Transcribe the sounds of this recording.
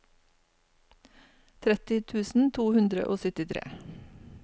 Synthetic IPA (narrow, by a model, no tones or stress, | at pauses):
t̪ʰɾɛt̪ɪt̪ʰʉːsn̩t̪ʰuːhʉnd̪ɾə̰ʔoːsœt̪ɪt̪ʰɾḛː